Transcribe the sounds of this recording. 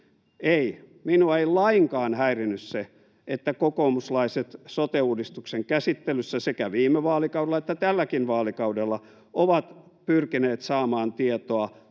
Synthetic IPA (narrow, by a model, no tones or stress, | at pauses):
ei | minuɑeilɑiŋkɑːnhæirinːysse | et̪ːækokomuslɑiset̪sot̪euːdist̪ukseŋkæsit̪ːelysːæsekæʋiːmeʋɑːlikɑuwdelːˑɑet̪ːæt̪ælːækinʋɑːlikɑudelːɑ | ʔoʋɑt̪ | pyrkineːt̪sɑːmɑːnt̪iet̪oɑ